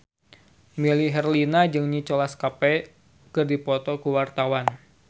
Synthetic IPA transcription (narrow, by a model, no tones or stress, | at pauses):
miliɦɛrlinad͡ʒɨŋɲit͡ʃɔlaskapɛ | kɨrdipɔt̪ɔkuwart̪awan